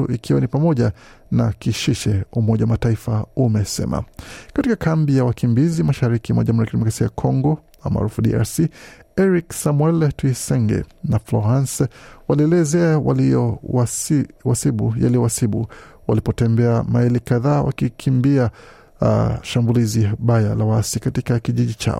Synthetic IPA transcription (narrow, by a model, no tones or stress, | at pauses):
ṵʔikʰiwanipamɔʄa | nakiʃiʃɛumɔʄawamataifaumɛsɛ̰ma̰katikakambijawakimbizimaʃaɾikimwaʄamuɾiakdɛmɔkɾasiaakʰɔŋɡɔ | a̰ma̰ɾufuɗḭa̰ɾsiɛɾiksamwɛltuisɛŋɡɛ̰naflɔɾanswaliɛlɛzɛawa̰l | wasiɓuja̰lijɔwasiɓuwa̰lipɔtɛmbɛamaɛlikaðaːwa̰kikʰimbia | ʃambuliziɓajalawasikatikakiʄiʄit͡ʃa̰ɔ